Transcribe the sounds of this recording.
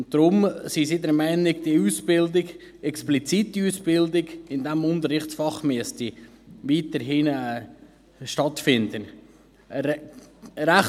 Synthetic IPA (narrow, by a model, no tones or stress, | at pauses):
ʊnd̥ɾʊmsisidɛɾmɛɪnɪɡd̥iuːsb̥ɪldɪɡ | ɛksplit͡sitiuːsb̥ɪldɪɡɪndɛmʊnt̪əɾɪχtsfɑχmyəstiʋiːtəɾɦinɛ | ʃtɑtfɪndən | ɾæχ